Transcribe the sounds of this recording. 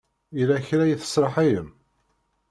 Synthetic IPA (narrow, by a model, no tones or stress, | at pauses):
ilæçɾæjiθə̥sˤɾˤəħajəm